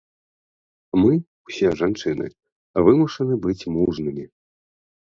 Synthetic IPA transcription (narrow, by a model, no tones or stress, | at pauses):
mɨ | wsʲɛʐant͡ʂɨnɨ̰ | vɨmuʂɐnɨbɨt͡sʲmuʐnɨmʲi